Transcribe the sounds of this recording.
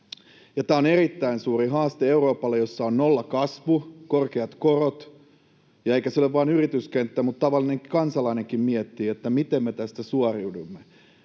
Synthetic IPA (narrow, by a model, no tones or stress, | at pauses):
jɑt̪æːonerit̪ːæinsuːriɦɑːst̪eeuro̞ːpɑlːejo̞sːɑonnolːɑkɑsʋukorkeɑt̪korot̪ | jɑeikæsolːeʋʋɑːnyrit̪yskent̪ːæmut̪t̪ːɑʋɑlːˑineŋkkɑnsɑlɑineŋkimmiet̪ːiːet̪ːæmit̪emːet̪æst̪æsuɑriudumːe